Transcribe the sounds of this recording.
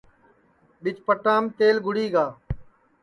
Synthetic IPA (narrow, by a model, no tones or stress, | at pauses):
ɓɪt͡ʃpəʈãːmt̪eːlɡʱʊɽiːɡaː